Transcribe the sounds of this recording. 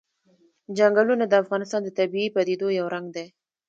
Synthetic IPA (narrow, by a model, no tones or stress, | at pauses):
d͡ʒaŋɡalunad̪əafɣɑnɪst̪ɑnd̪ət̪abiipad̪ed̪ojawɾaŋɡd̪e